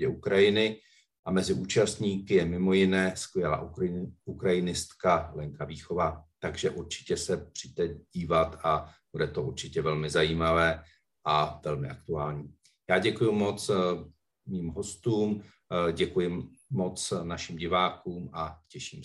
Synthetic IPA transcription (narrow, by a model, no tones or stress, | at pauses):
ɟɛʔukɾajɪnɪ | ʔamɛzɪʔuːt͡ʃast̪ɲiːkɪjɛmɪmo̞jɪnɛːskvjɛla̰ːʔukɾajɪnɪst̪kalɛŋkaviːxo̞vat̪aɡʒɛʔuɾt͡ʃɪ̥cɛsɛpr̥ijt̪ɛɟ̥iːvat̪ab̥udɛt̪o̞ʔuɾt͡ʃɪcɛvɛlmɪzajiːmavɛː | ʔavɛlmɪʔak̚t̪uaːlɲiː | jaːɟɛkujumo̞t͡s | miːmɦo̞st̪uːm | ɟɛkujɪːo̞t͡snaʃɪmɟɪvaːkuːmacɛʃiːm